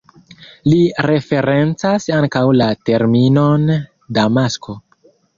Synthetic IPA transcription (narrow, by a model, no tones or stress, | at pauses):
liɾe̞fe̞ɾe̞nt͡sasaŋkawlate̞ɾmino̞n | damasko̞